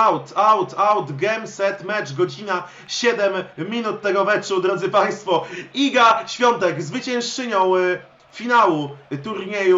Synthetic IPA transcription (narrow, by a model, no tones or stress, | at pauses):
awt̪awt̪awd̪ɡɛmsɛt̪mɛt͡ʂɡɔd͡ʑina | ɕɛd̪ɛmːʲinut̪ːɛɡɔmɛt͡ʂud̪ɾɔd̪zɘpaj̃st̪fɔiɡaɕfʲjɔnt̪ɛɡzvɘt͡ɕɛ̃w̃ʂt͡ʂɘɲɔ̃w̃ | fʲinawut̪uɾɲeju